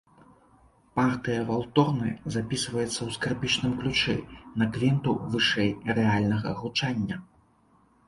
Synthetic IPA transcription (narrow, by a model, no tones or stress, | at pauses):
part̪ɨjɐvalˠt̪ɔrnɨzapʲisvɐjɛt̪sːɐwskarpʲit͡ʂnɨmklʲut͡ʂɛ̰nɐkvʲɛnt̪uvɨʂɛjrɛalʲnɐɣɐ̰ɣut͡ʂanʲːɐ